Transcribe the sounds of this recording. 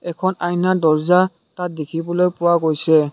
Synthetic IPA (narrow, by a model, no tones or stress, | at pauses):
ɛkʰɔnajnadɔɹza | tat̚dekʰibɔlojpʊwaɡojsɛ